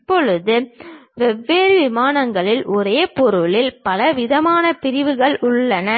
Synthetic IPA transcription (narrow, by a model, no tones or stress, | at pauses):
pːɔɭɯðɯʋɛʋːeːɾʋɪmaːnɐŋɡɐɭɪlʔɔɾeːpɔɾɯɭɪlpɐlɐʋɪðɐmaːnɐpɪɾɪʋɯɣɐɭʊɭːɐnɐ